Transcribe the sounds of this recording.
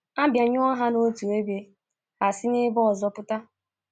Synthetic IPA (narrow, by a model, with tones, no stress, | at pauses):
a˦bja˨ɲʊ˦a˦ɦa˦no˦tu˨e˦be˦ | a˨si˦nɪ˦bɔ˦ɔ˨zɔ˦pʊ˦ta˦